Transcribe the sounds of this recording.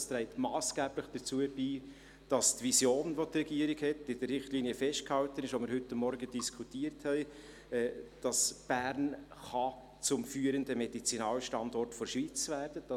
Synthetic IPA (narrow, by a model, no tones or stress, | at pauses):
st̪ɾɛɪtmɑːsɡ̥æːb̥ləχd̥ət͡suəb̥iː | d̥ɑstvisjoːnʋotrɛɡiəɾɪɡhɛtɪd̥əɾːɪχtliːniəfɛʃt̚khɑltənɪʃʋomɪɾhɦʏtːamːɔɾɡəd̥iskʰutiːəɾthɛɪ | ɛːd̥ɑsb̥æɾnχɑ | t͡sʊmfyːəɾəndəmɛd̥it͡sinɑːlʃtɑndɔrtfɔɾʃʋiːt͡svæːɾdəd̥ɑ